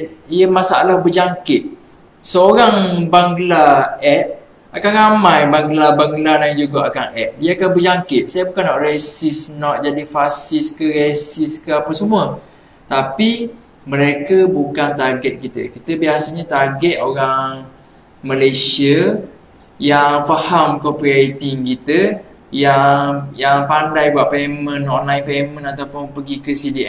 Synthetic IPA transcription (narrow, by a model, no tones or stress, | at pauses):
ijəmasaalahbəd͡ʒaŋkɪt̪̚ | səoɾaŋbaŋɡlaɛt̚ | akanɾamãjbaŋɡlabaŋɡladand͡ʒuɡaʔakanɛʔ̚dijaakanbəd͡ʒaŋkɪt̪̚sajabukanːɔʔresɪsnɔʔ̪̚d͡ʒadifasɪskəɾesɪskəapəsəmuə | t̪api | mə̃ɾekəbukant̪aɡɛt̪̚kit̪ə̰kit̪əbiasaɲat̪aɡɛt̪̚oɾaŋ | məlesiə | jaŋfahamkɔpɾiet̪iŋkit̪ə | jaŋjaŋpandajbwaʔpemə̃nːɔʔnãjpemə̃nat̪awpʊnpəɡikəsidiʔɛ